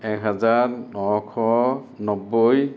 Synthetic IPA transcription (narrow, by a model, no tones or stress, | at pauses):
ɛkɦazaɹnɔkʰɔ | nɔbːoj